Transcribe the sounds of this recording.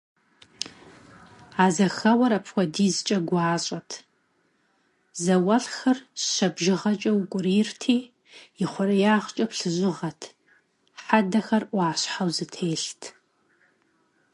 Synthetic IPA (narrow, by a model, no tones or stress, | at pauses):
aːzɐxɐwɐɾɐpʰxʷɔdiːzɨt͡ʃʼɐɡʷɑːɕʼɐtʰ | zɐwɐɬxɐrɕɐbʒɪʁɐt͡ʃʼɐwʊkʷʼʊriːrtʰiː | jɪχʷʊɾɐjaːʁt͡ʃʼɐpɬɨʒʷɪʁɐtʰ | ħadɐxɐrʔʷaːɕħawzɨtʰeːɬtʰ